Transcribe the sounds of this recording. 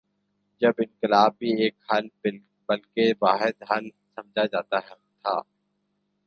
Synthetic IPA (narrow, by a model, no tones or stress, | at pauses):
d͡ʒɐbɪ̃nkɪlaːbːieːkhɐl | bɐlkeʋaːɦɪd̪ɦɐl | sɐ̃md͡ʒʱad͡ʒaːt̪aɦɛ | t̪ʰa̰ː